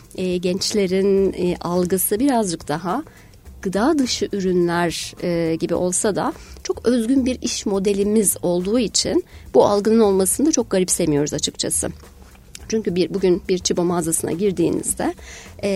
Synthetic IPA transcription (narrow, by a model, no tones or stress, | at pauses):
ɟɛnt͡ʃlʲe̞ɾinalˠɡɯsɯbiɾazd͡ʒɯkd̪̥aɦa | ɡ̥ɯd̪aːd̪ɯʃɯʔyɾynlʲæɾːɟibḭʔo̞lˠsad̪a̰t͡ʃʰo̞kø̞zɟynbiɾiʃmo̞d̪elʲimizo̞lˠd̪uːit͡ʃʰinbualˠɡɯnɯno̞lˠmasɯnd̪at͡ʃʰo̞k̚ɡ̥aɾipsemijo̞ɾuzat͡ʃʰɯkt͡ʃʰa̰sɯ̰ | t͡ʃʰyɲcybiɾbuɟynbiɾt͡ʃʰibo̞mazasɯna̰ɟiɾd̪iːnḭzd̪ɛ